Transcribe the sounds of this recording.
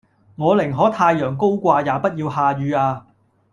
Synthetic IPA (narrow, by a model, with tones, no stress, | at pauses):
ŋɔː˨˧lɪ˨˩ŋɦɔː˨˥t̪ʰaː˧jjœː˨˩ŋko˥wkʷaː˧jaː˨˧pɐ˥t̚jiː˧whaː˧jyː˨˧aː˧